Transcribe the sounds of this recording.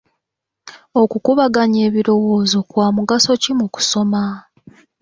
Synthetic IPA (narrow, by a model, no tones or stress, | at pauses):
o̞kukuβaɡaɲe̞ːβiɾo̞wo̞ːzo̞kwaːmuɡaso̞cimuku̥so̞ma